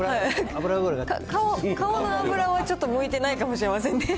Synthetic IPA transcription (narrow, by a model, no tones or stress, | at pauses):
haiabɯɾabɯɾaɡakakaokaonoabɯ̟ɾaβat͡ɕo̞t̪ːomɯ̟it̪e̞naikamo̞ɕiɾe̞masẽ̞nd̪e